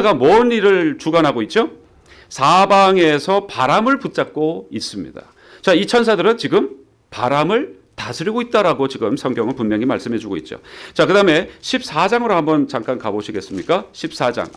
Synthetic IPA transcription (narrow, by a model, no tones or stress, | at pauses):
ɡamwʌɯniɾɯɭt͡ɕuɡanɦaɡoit̚t͡ɕ͈o | sʰabaŋe̞sʰʌpaɾamɯɭput̚t͡ɕ͈ak̚k͈ois͈ɯmɲḭda̰ | t͡ɕait͡ɕʰʌnsʰadɯɾɯnt͡ɕiɡɯm | paɾamɯɭ | tasʰɯɾiɡoit̚t͈aɾaɡot͡ɕiɡɯmsʰʌŋɡjʌŋɯnpunmjʌŋima̰ɭs͈ɯmɦe̞d͡ʑuɡoit̚t͡ɕ͈o̰t͡ɕakɯdaɯme̞ɕʰip̚s͈ad͡ʑaŋɯɾohambʌnt͡ɕaŋk͈ankaboɕʰiɡe̞s͈ɯmɲik͈aɕʰip̚s͈ad͡ʑa̰ŋ